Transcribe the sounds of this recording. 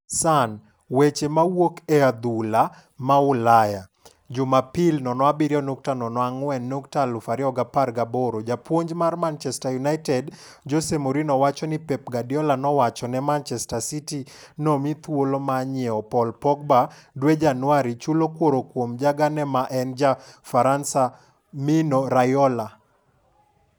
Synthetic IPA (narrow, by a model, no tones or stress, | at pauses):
san | wet͡ʃemawokɛad̪ula | maʊlaja | d͡ʒʊmapilnɔnɔabiɾjɔnok̚tanɔnɔaŋwɛnːuktalʊfaɾiɔɡaparɡaboɾod͡ʒapwoɲd͡ʒmarmant͡ʃɛstajunaɪtɛd | d͡ʒosemoɾinɔwat͡ʃɔnipɛp̚ɡadijɔlanɔwat͡ʃɔnɛmant͡ʃɛstasiti | nɔmit̪wolomaɲɛɔpɔlpɔɡ̚badwed͡ʒanwaɾit͡ʃulokwoɾokwomd͡ʒaɡanɛmaʔɛnd͡ʒafaɾansa | minɔɾajɔla